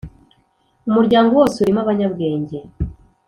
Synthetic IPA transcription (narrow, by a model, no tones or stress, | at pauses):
umuɾɟaːŋɡowoːseuɾimaβaɲaβɡe̞ːɲɟe̞